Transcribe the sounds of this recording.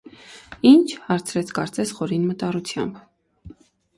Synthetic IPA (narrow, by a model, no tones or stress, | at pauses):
int͡ʃʰhɑɾt͡sʰɾɛt͡sʰkɑɾt͡sɛsχɔɾinmət̪ɑrut͡sʰjɑ̰mb